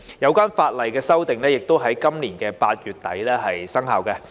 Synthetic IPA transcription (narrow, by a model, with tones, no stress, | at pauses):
jɐ˨˧wkʷaː˥nfaː˧t̚lɐ˨jkɛː˧sɐ˥wt̪ɪ˨ŋlɛː˥jɪ˨k̚t̪o˥wɦɐ˨˥jkɐ˥mliː˨˩nkɛː˧paː˧t̚jyː˨t̚t̪ɐ̰˨˥jlɛː˥ɦɐ˨jsɐ˥ŋɦa̰ː˨wkɛ˧